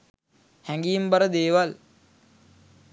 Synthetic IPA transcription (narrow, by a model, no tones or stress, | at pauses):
hæŋɡijimbəɾəd̪eːʋal